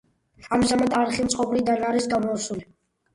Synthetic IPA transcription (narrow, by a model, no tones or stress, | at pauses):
amʒamad̪aɾχimt̪sʼqʼɔbɾid̪anaɾisɡamɔusuli